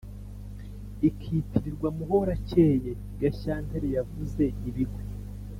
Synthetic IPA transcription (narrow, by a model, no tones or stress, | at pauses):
ikʰiːtiɾiɾɡwamuho̞ɾaceje | ɡaçaːnteɾejavuze̞iβiɡwe